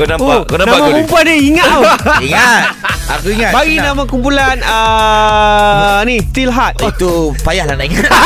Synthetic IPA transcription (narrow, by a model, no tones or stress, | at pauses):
kunamokunãnãamamumpuandiiŋaoiŋaa̰kuiŋabaɡinãmãkumpulanə | nit̪ilɦat̪̚t̪upajahlanaʔiŋa